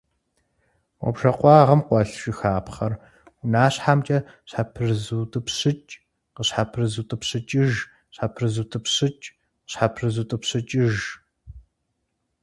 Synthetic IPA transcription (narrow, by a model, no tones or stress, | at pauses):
wɔ̰bʒɐqʷɑːʁɐmqʷɔɬʃɪxaːpχɐr | ʊnaːɕħamt͡ʃʼɐ | ɕħapʰɨrzɨːtʼɨpɕɨt͡ʃʼ | qəɕħapʰrɨzutʼɨpɕɨt͡ʃʼɪʒ | ɕħapʰrɨzɨtʼɨpɕɨt͡ʃʼ | qəɕħapʰrɨzutʼɨpɕɨt͡ʃʼɪʒ